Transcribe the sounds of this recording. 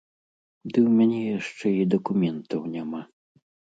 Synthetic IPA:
d̪ɨwmʲanʲɛjaʂt͡ʂɛid̪ɐkumʲɛnt̪ɐwnʲama

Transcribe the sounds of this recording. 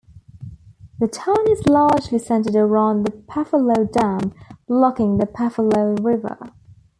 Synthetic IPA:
ðətʰãʊ̃nɪzlɑːd͡ʒlisɛ̃ntəɾəɹãʊ̃nðəpʰafəloʊdãʊ̃nlɒkɪ̃ŋðəpʰafəloʊɹɪvə̰

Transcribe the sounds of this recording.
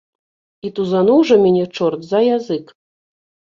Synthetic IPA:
it̪uzanuwʐɔmʲɛnʲɛt͡ʂɔrt̪zɐjazɨk

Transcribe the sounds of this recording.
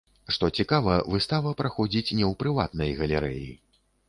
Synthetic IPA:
ʂt̪ɔt͡sʲikavɐvɨst̪avɐpɾaxɔd͡zʲit͡sʲnʲɛwpɾɨva̰t̪nɐjɣɐlʲɛɾɛ̰jḭ

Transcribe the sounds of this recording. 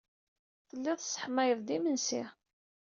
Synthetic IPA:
θəlːɪðˤsˤə̥ħmæjəðd̪imənsḭ

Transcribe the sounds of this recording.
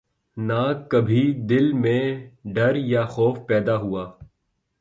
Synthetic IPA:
naːkɐbʱid̪ɪlmẽɖɐɾjaxɔːfpɛːd̪aɦuaː

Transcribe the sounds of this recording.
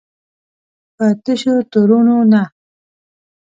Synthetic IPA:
pət̪əʃot̪uɾunona

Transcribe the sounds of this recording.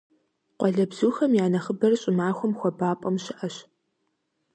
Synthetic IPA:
qʷɔɮɐbz̥uːxɐmjaːnɐχəbɐrɕʼɪmaːxʷʊmxʷɔbaːpʼɐmɕɪʔɐɕ

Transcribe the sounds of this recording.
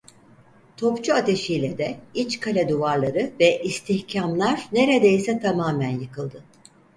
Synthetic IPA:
t̪ʰo̞pt͡ʃʰuat̪ʰe̞ʃijlʲɛd̪ɛit͡ʃkʰalʲɛd̪uvaɾlˠaɾɯvɛʔist̪ʰiçcʰamlˠaɾne̞ɾed̪ejisɛt̪ʰamaːmænjɯkɯlˠd̪ɯ

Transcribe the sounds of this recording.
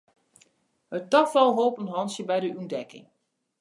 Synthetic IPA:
hət̚tɔfɔlˠɦoːpənɦɑnsjəbɛjdəyndɛkɪ̰ŋ

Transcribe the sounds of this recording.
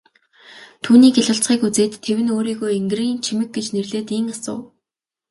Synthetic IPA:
t̪ʰuːniːɡeɮʊ̆ɬt͡sχiːkut͡seːt̪ʰːewɘ̆noːɾiːɣojeŋɡ̆riːnt͡ɕʰimɘ̆k̚ɡet͡ɕnerɮeːt̪iŋasʊ̰ː

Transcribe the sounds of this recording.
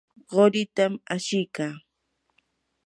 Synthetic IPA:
ɢoɾɪt̪amaʃɪjkaː

